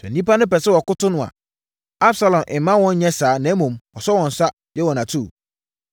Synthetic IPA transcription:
sɛ̰̃˨nĩ˦pa˦nʊ̃˦pɛ˨sɪ˦wɔ˨kʊ˦tʊ˦nʊ̃˨a̰˨ | a˦bsa˨lɔ̃˨mʔɪ̃˨˦mã˦wɔ̃˦ɲ˦ɲɛ̃˦saː˨˦nɛ̃˨˦mũ˨mwɔ˨sɔ˦wɔ̃˨n̩˨sa˦ | jɛ˦wɔ˨nã˨tʰu˦˨

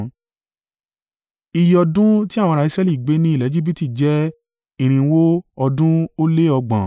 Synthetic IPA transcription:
i˧jɔ˧dũ˦ti˦a˦˨wɔ̃˧ɾa˧˨i˧sɾɛ˦˧˦li˦˨ɡ͡be˨˦nĩ˦i˦˨lɛ˨˦d͡ʒi˦bi˦ti˦˨d͡ʒɛ˦ | ĩ˦˨ɾ̃ĩ˧˦wo˦ɔ˧dũ˦o˦le˦ɔ˧ɡ͡bã̰˨

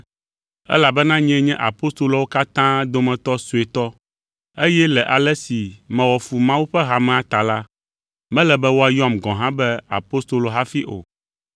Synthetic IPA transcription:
ɛ̰˦la˨bɛ˦nã˦ɲɛ̃˨˦ɲɛ̃˦ʔa˨po˦st̪o˦loɔ˨wo˦ka˦t̪ã˦d̪o˦mɛ̃˨t̪ɔ˦su˨e˨t̪ɔ˦ | e˦jɛ˦lɛ˨ʔa˨lɛ˦si˨mɛ̃˨wɔ˨fu˨mã˦wu˦ɸɛ˦ɦa˨mɛ̃˨a˨t̪a˨la˦ | mɛ̃˦lɛ˨bɛ˦wo˦a˨jɔ˦a˦mɡɔ̃˨ɦã˦bɛ˦a̰˨po˦st̪o˨lo˨ɦa˦fi˦ʔo̰˨

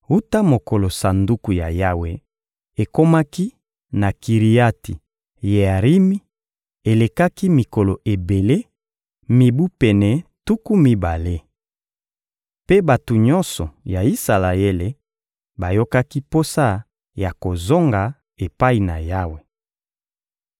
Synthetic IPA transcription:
u˦ta˦mo˨ko˨lo˨sa˨ndu˦ku˨ja̰˨ja˦we˨ | e˨ko˦ma˦ki˦ | na˨ki˨ʁi˨ja˦ti˨ | je˨a˨ʁi˦mi˦ | e˨le˨ka˦ki˦mi˨ko˨lo˨ʔe˨be˨le˦ | mi˨bu˦pɛ˨nɛ˨tu˦ku˦mi˨ba˨le˦ | pe˦ba˨tu˨ɲɔ̃˦nsɔ˨ja˨i˦sa˨la˨e˦le˨ | ba˨jo˦ka˦ki˦po˦sa˦ | ja˨ko˨zo˦ŋɡa˨ | e˨pa˦i˨na̰˨ja˦we˨

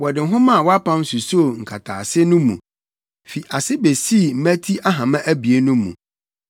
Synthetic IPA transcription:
wɔ˨dɪ˨ɦʊ̃˦mã˦˨wɔ˦a˦pʰã˦m˦su˨so˦˨ŋ̩˨kʰa˨tʰa̰ː˨sɪ˦nʊ̃˦mṵ̃˨ | fi˨ʔa˨sɪ˦be˨si˦˨m̩˦mæ̃˦tʰi˦ʔa˦ɦã˨mã˦ʔæ˦bi˨e˦nʊ̃˦mːṵ̃˨

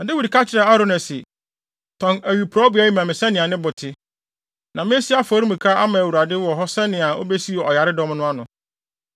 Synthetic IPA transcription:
dɪ˦wi˨dkʰa˦t͡ɕʰɪ˦ɾɛ˨a˦ɾʊ˦nɛ˨sɪ˨ | tʰɔ̃˨næ˨ɥi˨pʰɾa˦bʊ˨˦æ˦ji˦mã˨mɪ̃˨sɛ˦nɪ̃˨ã˨nɪ̃˦bʊ˨tʰɪ˦ | nã˨mɪ̃˦æ˦si˦a˦fɔ˨˦ɾĩ˦mĩ˨kʰa˦ʔa˦mã˨æ˨wu˨ɾa˨dɪ˦wɔ˨ɦɔ˦sɛ˦nɪ̃˨ã˨o̰˦be˦si˦˨ɔ˨ja˨ɾɪ˦dɔ˦mnʊ̃˦a˦nʊ̃˨

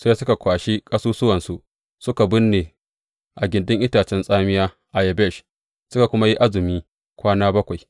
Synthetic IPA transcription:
seː˦sʊ˦ka˨kʷaː˨ʃi˦kʼɐ˦suː˦sʊ˦wɐ˨nsu˦ | sʊ˦ka˨bʊ˦nːeː˨ | ʔa˨ɡʲɪ˨ndʊ˦ŋʔɪ˦taː˨t͡ʃɛ˦nsʼaː˦mɪ˦jaː˦ | ʔa˨jɛ˨bɛ˦˨ʃ | sʊ˦ka˨kʷʊ˦ma˦ji˦ʔa˦zɪ˨miː˦ | kʷaː˦naː˦bɐ˦kʷa˨j

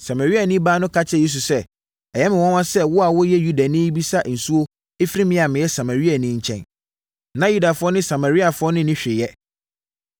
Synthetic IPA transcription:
sa˨ma˨ɾi˦a˨nĩ˦baː˦nʊ̃˦kʰa˦t͡ɕʰɪ˦˨je˦s̬u˨sɛ˦ | ɛ˨jɛ˦mɪ̃˨wɔ̃˦nwã˦sɛ˦wʊ˦a˨wʊ˦jɛ˦ju˦da˨nɪ̃˦i˦bi˦sa˦n̩˨su˦o˦ | e˦fi˦ɾi˦mɪ̃˦˨a˨mɪ̃˨jɛ˦sa˨ma˨ɾi˦a˨nɪ̃˦ɲ̩˦t͡ɕʰɛ̰̃˦n | nã˨ju˦da˨fʊ˦ɔ˦nɪ̃˦sa˨ma˨ɾi˦a˨fʊ˦ɔ˦nʊ̃˦nɪ̃˦ɕᶣɪ˨jɛ˦

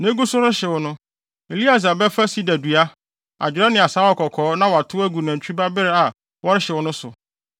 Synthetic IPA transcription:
nẽ˦ɡu˦sʊ˦ɾɪ˦ɕɛ˨wɔ˨nʊ̃˦ | e˨li˦a˨s̬a˨bɛ˦fa˦si˦dæ˨du˨a˦ | a̰˨d͡ʑᶣɪ˨ɾɛ˦nɪ̃˨a˨sa˦wɔ˨kʰɔ˨kʰɔː˨˦nã˦wɔ˨a˨tʰʊ˦æ˦ɡu˨nã˨t͡ɕʰᶣu˦ba˦bɪ˦ɾɛ˦a˨ | wɔ˦ɾɪ˦ɕɛ˨wɔ˦nʊ̃˦sʊ˨

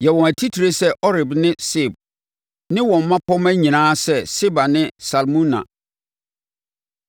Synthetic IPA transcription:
jɛ˨wɔ̃˨æ˨tʰi˦tʰi˨ɾe˨sɛ˦ʔɔ˦ɾɪ˨bnɪ̃˦se˦˨b̚ | nɪ̃˦wɔ̃˨m̩˨mã˦pʰɔ˦mæ̃˦ɲĩ˨nãː˦sɛ˦sɪ˦ba˨nɪ̃˦sa˨lmũ˦nã̰˨

